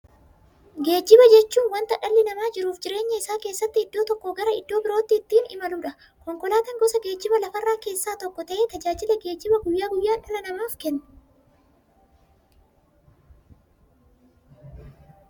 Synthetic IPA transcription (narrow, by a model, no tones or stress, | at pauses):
ɡe̞ːd͡ʒːɪbɐd͡ʒɛt͡ʃːuːnwɐnt̪ɐᶑɐlːɪnɐmaːd͡ʒɪɾuːfd͡ʒɪɾe̞ːɲːɐɪsːaːke̞ːsːɐt̪ːɪɪd̪ːo̞ːt̪ɔkːɔɡɐɾɐɪd̪ːo̞ːbɪɾo̞ːt̪ːɪːt̪ːiːnɪmɐluᶑɐ | kɔŋkɔlaːt̪ɐŋɡɔsɐɡeːd͡ʒːɪbɐlɐfɐrːaːke̞ːsːaːt̪ɔkːɔt̪ɐʔe̞ːt̪ɐd͡ʒaːd͡ʒɪlɛɡe̞ːd͡ʒːɪbɐɡʊjːaːɡʊjːaːᶑɐlɐnɐmaːfkɛnːʊ̥